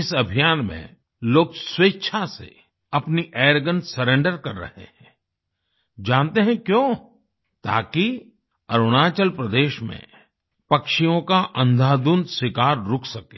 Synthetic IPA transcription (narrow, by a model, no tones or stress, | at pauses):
ɪsɐbʱijaːnmḛ̃ | loːɡsweːtːʃʰasḛ | ɐpniʔeːɾɡənsɐɾẽɳɖəɾkɐɾːɐ̰hḛɦɛ̃ | d͡ʒãːnt̪eɦɛ̃kjõː | t̪a̰ːki | ɐɾʊɽ̃aːt͡ʃəlpɾəd̪eːʃmḛ̃ | pɐkʃijõkaʔɐ̃nd̪ʱaːd̪unswɪkaːɾːʊkʰsɐkẽː